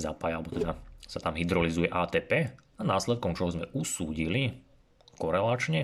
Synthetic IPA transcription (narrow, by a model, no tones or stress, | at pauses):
za̰pajalɛbɔt̪ɛd̪asat̪amɦid̪ɾɔlizujɛʔaːt̪ɛːpɛːanaːslɛt̪̚kɔmt͡ʃɔɦɔzmɛʔusuːɟili | kɔɾɛlat͡ʃɲɛ